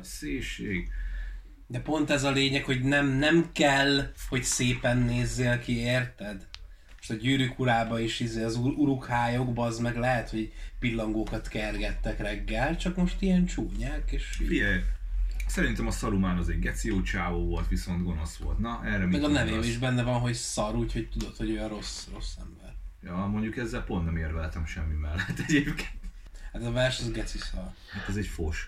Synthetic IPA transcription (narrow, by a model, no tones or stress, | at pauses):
seːʃeːɡ | d̪ɛpo̞nt̪ɛzɒleːɲɛkho̞ɟnɛmnɛmkɛlho̞ɟseːpɛnːeːzːeːlkieːrt̪ɛd̪ | mo̥ʃt̪ɒɟyːɾykuɾaːbɒiʃizeːɒzuuɾukhaːjo̞ɡbɒːzmɛɡlɛɦɛt̪ho̞ɟpilːɒŋɡoːkɒt̪kɛrɡɛt̪ːɛkrɛɡːɛlt͡ʃɒkmo̞ʃt̪ijɛnt͡ʃuːɲaːkeːʃfijɛj | sɛɾint̪ɛmɒsɒɾumaːnɒzɛɟɡɛt̪sijoːt͡ʃaːvoːvo̞lt̪ʋiso̞nt̪ɡo̞no̞sʋo̞̰lt̪nɒʔɛrːɛmimɛɡɒnɛveːbɛiʒbɛnːɛvɒnɦo̞csɒɾuːcho̞c̚t̪ud̪o̞t̪ho̞ɟøjɒɾo̞sro̞sːɛmbɛrjɒːmoɲɟukɛzːɛlpont̪nɛmeːrvɛlt̪ɛmʃɛmːimɛlːɛt̪ːɛɟeːpke̥ːnt̪ | hat̪ɒvɛrʃɒzɡɛt̪sisɒr | hat̪ɛzɛcfoʃ